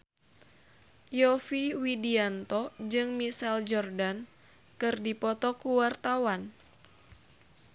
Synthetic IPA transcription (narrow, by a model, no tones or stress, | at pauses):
jɔfiwidiant̪ɔd͡ʒɨŋmisɛld͡ʒɔrdan | kɨrdipɔt̪ɔkuwart̪awan